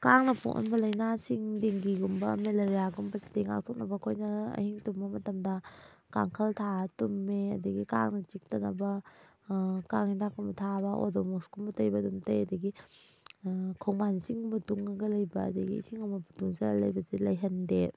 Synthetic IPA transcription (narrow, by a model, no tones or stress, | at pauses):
kaŋnɐpʰo̰ʔo̰nbɐlɐjnasiŋdeŋɡiɡumbɐ̰meleɾijaɡumbɐsi̥tejŋa̰k̚tʰɔk̚nɐbɐkʰojnɐɐ̰hiŋtumːɐmɐtɐmdɐka̰ŋkʰɐltʰatumːeɐdɐɡika̰ŋnɐt͡ʃik̚tɐnɐbɐ | kaŋhintʰakunbɐtʰabɐʔo̰domɔksɡumbɐtɐjbɐdumtɐjɐdɐɡi | kʰɔwŋmansiŋbɐtuŋɐɡɐlɐjbɐɐ̰dɐɡḭsiŋɐmɐbɐtuŋsalɐjbɐzelɐjɦɐnde